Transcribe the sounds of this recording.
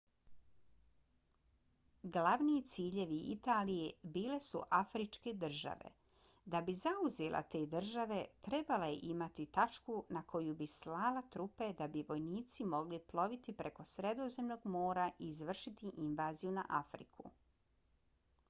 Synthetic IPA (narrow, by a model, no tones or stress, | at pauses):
ɡlaʋniit̪siːʎe̞ʋiḭt̪aːlijebiːle̞sṵʔafɾit͡ʃke̞d̪r̩ʒa̰ʋe̞̰ | d̪abizauzelˠʔa̰t̪e̞ːd̪r̩ʒaʋe̞t̪ɾe̞baleʔimat̪it̪at͡ʃkunakʰo̞jubislaːlat̪ɾupe̞d̪abiʋo̞jniːt̪simo̞ɡliplˠo̞ʋit̪ipɾe̞ko̞sɾe̞d̪o̞ze̞mno̞ɡmo̞ːɾaʔiːzʋr̩ʃit̪iʔinʋaːzijuna̰ʔafɾḭkʰṵ